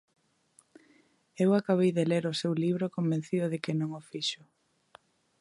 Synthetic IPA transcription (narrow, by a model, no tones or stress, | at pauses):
ewakaβejðeleɾʊsewliβɾokombẽn̟θiðʊðɪkɪnõŋofiʃʊ